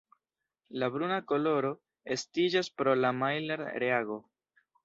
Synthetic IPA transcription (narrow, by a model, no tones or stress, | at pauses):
labɾunako̞lo̞ɾo̞ | e̞stid͡ʒaspɾo̞lamajleɾɾeaɡo